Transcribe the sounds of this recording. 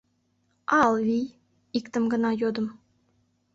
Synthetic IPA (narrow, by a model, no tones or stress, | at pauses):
ɑlˠvij | ikt̪ə̆mɡɤ̆nɑjod̪ə̆m